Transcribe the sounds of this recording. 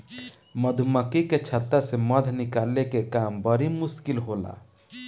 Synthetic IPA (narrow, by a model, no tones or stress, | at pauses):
məd̪ʱuməkiket͡ʃʰət̪ːəseməd̪ʱnɪkaːlːekekaːmbəɾimʊskilɦola̰